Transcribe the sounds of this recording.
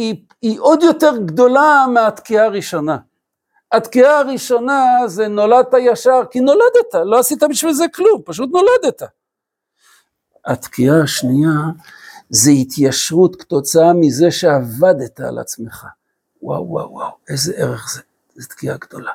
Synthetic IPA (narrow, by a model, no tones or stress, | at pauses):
i | iʔod̪jo̞teʁɡd̪o̞lameat̪kiaːʁiʃo̞na | at̪kiaːʁiʃo̞nazeno̞lad̪̚t̪ajaʃaʁkino̞lad̪et̪aloasit̪abiʃvilzeklumpaʃ̬ut̪no̞lad̪et̪a | at̪kiaaʃnia | zehit̪ʰjaʃʁut̪ke̥t̪o̞t͡saamize̞ʃeavad̪et̪a̰ːla̰t͡smeχa̰ | wa̰wːa̰wːa̰wezeʔeʁeχze | zet̪kiaɡd̥̪o̞la